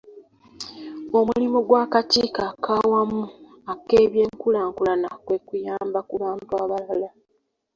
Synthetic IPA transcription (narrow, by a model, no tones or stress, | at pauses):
o̞mulimoɡwaːkatiːkaːkʰaːwamu | ake̞ːβje̞ːŋkulaːŋkulanakwekujaːmbakulaːmbwaːβalala